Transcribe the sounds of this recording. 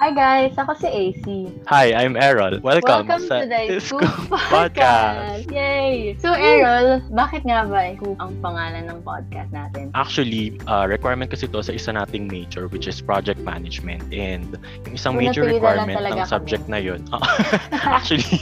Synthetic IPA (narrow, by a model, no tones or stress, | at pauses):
ʔajɡajsɐkosɛʔejsi | hajʔajmʔɛɹɐlwɛlwkɐmkɐɐʊd̪ajskupad̪̚kasjejsoʔɛɹɐlbaːkɪt̪̚ŋabɐʔɐkuːɐŋpɐŋaːnɐnːɐŋpo̰d̪̚ka̰st̪naːt̪ɛnʔak̚t͡ʃʊwɐliʔɐɹɛkwajɹmɛnt̪kɐsɛt̪osɐʔɪsanaːt̪ɪŋmejd͡ʒʊɹwɪt͡ʃɪspɹad͡ʒɛk̚t̪̚ma̰nɐd͡ʒmɛnt̪̚ʔɛnd̪ | jʊŋɪsaŋmejd͡ʒɛɹɛkwajɹmɛ̃nɐlɐɐɡsab̚d͡ʒɛk̚t̪nɐjonʔo̰ʔʔak̚t͡ʃuɐli